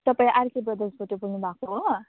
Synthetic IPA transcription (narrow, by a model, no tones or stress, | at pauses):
t̪ʌpaĩʔaɾkibʌd̪esboʈebuɡnubʱakoɦo